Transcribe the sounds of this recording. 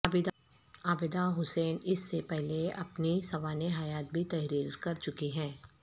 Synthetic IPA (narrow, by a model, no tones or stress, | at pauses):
b̪ | aːbɪd̪aɦʊsɛːnɪsːepɛɦleɐ̰pnisɐʋaːneɦaːjaːt̪̚bʱit̪ɛɦɾiːɾkɐɾt͡ʃʊkiɦɛ̃ː